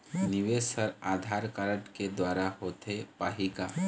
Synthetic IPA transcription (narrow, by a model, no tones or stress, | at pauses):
nɪʋesəɾaːd̪ʱaːɾkaɾəʈked̪waːɾahoːt̪epaːɦikaː